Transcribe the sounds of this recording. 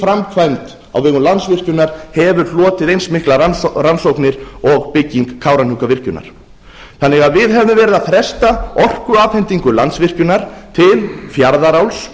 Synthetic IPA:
fɾamkʰvant̪ | a̰wvɛɣʏmlansvɪr̥cʏnaɾ̥hɛvʏɾ̥flɔːt̪ɪðejnsmɪhklaaransowknɪɾ̥ɔɣpɪcːiŋkʰːaːwɾanhʏkavɪr̥cʏna̰ɾ̥ | θanːɪɣaðvɪðɦɛvɪmvɛːɾɪðaðθɾɛst̪aɔr̥kʏaːfhɛnt̪iŋkʏlant̪svɪr̥cʏnaɾ̥t̪ʰɪlfjaɾðaɾawls

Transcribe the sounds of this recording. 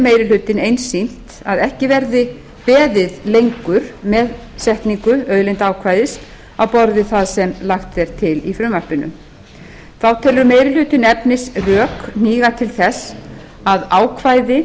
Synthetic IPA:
meːjɾɪlʏt̪ɪnejnsːin̥t̪ | aðɛhcɪvɛɾðɪ | pɛːðɪðlejŋkʏɾ̥mɛð | sɛht̪niŋkʏœðlejnt̪aːwkʰvajðɪs | awpɔɾðɪθaðsɛmlaxt̪ːɛɾ̥t̪ʰɪlifɾʏmahpɪnʏ̰m | θawt̪ʰɛːlːʏɾmeːjɾɪlʏːt̪ɪnɛpnɪsrœːkn̥iːɣat̪ʰɪlθɛs | aðaːwkʰvaːjðɪ

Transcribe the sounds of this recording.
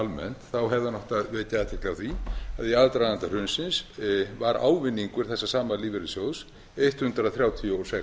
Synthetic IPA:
almɛ̰nt̪θawɦɛvðanɔht̪aðvɛːcaðɛt̪ʰɪ̥klawθviaðiaðt̪ɾaðant̪ar̥ʏnsɪnsvaɾa̰ːwvɪnːiŋkʏɾ̥θɛsːasaːmaliːvɪɾɪsjows | ejht̪hʏnt̪ɾaðθɾjaːwt̪ʰiuɔsɛk

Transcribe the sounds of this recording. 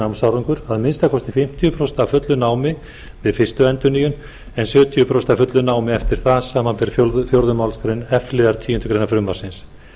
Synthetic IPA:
awmsawɾiŋkʏɾaðmɪnst̪akʰɔst̪ɪfɪm̥t̪ʰijʏpʰɾɔst̪afʏt̪lʏnaːwmɪ | vɪðfɪst̪ʏɛnt̪ʏniːjʏn | ɛnsjœːt̪ʰiʏpʰɾɔst̪afʏt̪lʏnaːwmɪɛft̪ɪɾ̥θasaːmanpɛɾ̥fjoɾðfjowɾðʏmawlskɾenɛflɪðaɾ̥t̪ʰiːʏnt̪ʏkɾejnafɾʏmːaɾsɪns

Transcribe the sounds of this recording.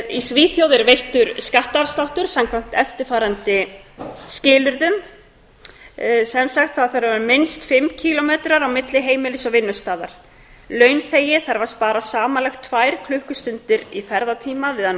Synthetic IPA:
isviːθjowðɪɾvejht̪ʏɾskaht̪avst̪awht̪ʏɾ̥samkʰvam̥t̪ɛft̪ɪ̥faːɾant̪ɪ | scɪːlʏɾðʏm | sɛmsaxt̪θaðθaɾavaɾmɪnst̪fɪmcʰilɔmeːt̪ɾaɾawmɪt̪lɪɦeːjmɪlɪsɔvɪnːʏst̪aːðaɾ̥ | lœːɥnθeːjɪθaɾvḁst̪paːɾasaːmalɛxt̪ʰvajɾ̥kʰlʏhkʏst̪ʏnt̪ɪɾifɛɾðat̪ʰiːmavɪða

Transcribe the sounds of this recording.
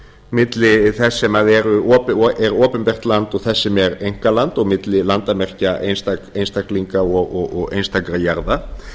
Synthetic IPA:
mɪt̪lɪθɛsːɛmaðɛɾʏɔːpɛɾɔːpɪnpɛr̥t̪lant̪ɔɣθɛsːɛmɛɾejŋ̥kalant̪ɔɣmɪt̪lɪlant̪amɛr̥caʔḛnst̪aejnst̪akliŋkaɔɣɔɔɣḛjnst̪akɾajaɾða

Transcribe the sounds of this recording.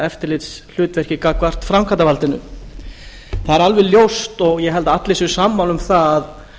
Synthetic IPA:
ɛft̪ɪɾlɪt̪sl̥ʏːt̪vɛr̥cɪkakvar̥t̪fɾamkʰant̪avalt̪ɪnʏ̰ | θaðɛɾalvɛðljowst̪ɔɣjɛɦɛlt̪aat̪lejsʏsaːmːawlʏmθaað

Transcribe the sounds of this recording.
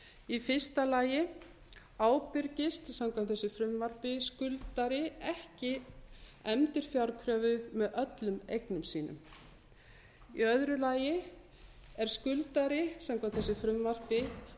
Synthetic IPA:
ifɪ̥st̪alaːjɪ | aːwpʏɾcɪst̪samkʰamt̪θɛsːʏfɾʏmvar̥pɪskʏlt̪aɾɪɛhcɪ | ɛmt̪ɪɾ̥fjawɾkʰɾœːvʏðmɛðœt̪lʏmḛjknʏmsiːnʏ̰m | ḭœðɾʏlaːjɪ | ɛɾ̥skʏlt̪aɾɪsamkʰamt̪θɛsːɪfɾʏmvar̥pɪ

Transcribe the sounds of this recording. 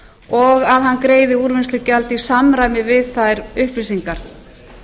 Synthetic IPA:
ɔɣaðɦanːkɾeːjðɪuɾvɪnslɪcalt̪isamɾajmɪvɪðθajɾʏhplɪsiŋkaɾ̥

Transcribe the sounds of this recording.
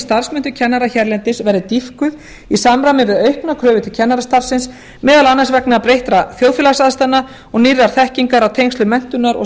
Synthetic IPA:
st̪ar̥smʏnt̪ʏ̥cʰɛnːaɾaçɛɾlɛnt̪ɪsvɛɾðʏt̪ifkʏð | isamɾamɪvɪðœɥhknakʰɾœːvʏt̪ʏcʰɛnːaɾast̪ar̥sɪns | mɛːðalanːansvɛknapɾejht̪ɾaθjoːwðfjɛlasaðst̪anːa | ɔɣnirːaɾ̥θɛhciŋkaɾawt̪ʰejŋst̪lʏmɛn̥t̪ʏnːaɾɔ̰

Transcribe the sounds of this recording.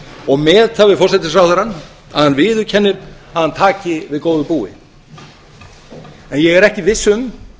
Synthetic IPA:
ɔɣmɛːðt̪avɪðfɔrsɛt̪ɪsɾawhðaɾan | a̰ðhanvɪːðʏɾcʰɛnːɪɾ | aðhant̪ʰaːcɪvɪðkoːwðʏpuːɪ̰ | ɛnjɛɣɛɾɛhcɪvɪsːʏm

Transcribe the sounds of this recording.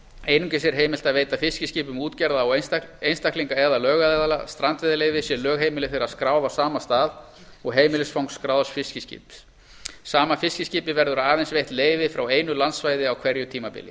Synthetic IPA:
eːjnʏŋkɪsjɛɾɦeːjmɪl̥t̪aðveːjt̪afɪscɪsciːpʏmuːt̪cɛɾðaɔejnst̪akliŋkaɛðalœːɣaðɛðalast̪ɾant̪vɪðaleːjvɪsjɛlœːɣɦeːjmɪlɪθeːɾaðskɾaːwvasaːmast̪aːð | ɔɣɦeːjmɪlɪsfawŋkskɾaːwðasfɪscɪscɪ̰ːp | saːmafɪscɪscɪːpɪvɛɾðʏɾaaːðejnsvejht̪leːjvɪfɾaweːjnʏlant̪svajðɪawkʰv̥ɛɾjʏt̪ʰiːmapɪ̰lɪ

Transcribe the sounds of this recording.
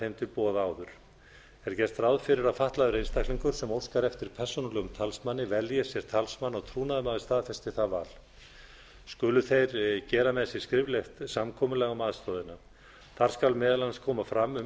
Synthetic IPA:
ejnt̪ʏɾpɔːðaːwðʏɾ̥ | ɛɾ̥cɛr̥t̪ɾawðfɪɾɪɾaðfaht̪laðʏɾejnst̪ahkliŋkʏɾ̥sɛmowr̥skaɾɛft̪ɪɾ̥pʰɛr̥sɔnalɛːɣʏmt̪ʰalsmanːɪvɛljasjɛɾ̥t̪ʰalsmanːawt̪ʰɾuːnaðmaðɪst̪aːðfɛst̪ɪθavaːl̥ | skʏːlʏθejɾcɛːɾamɛðsjɛ̥skɾɪvlext̪samkʰɔːmʏlɛːɣamaːðst̪ɔːðɪna | θaɾ̥skalmɛːðalanskʰɔːmafɾamːʏ

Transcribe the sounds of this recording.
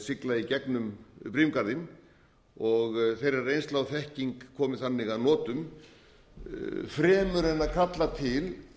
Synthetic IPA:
sɪklaicɛknʏmpɾimkaɾðɪm | ɔɣθejɾarejnst̪laːwθɛhciŋkkʰːɔːmɪθanːɪɣaðnɔːt̪ʏm | fɾɛːmʏɾɛnaðkʰat̪lat̪ʰɪl

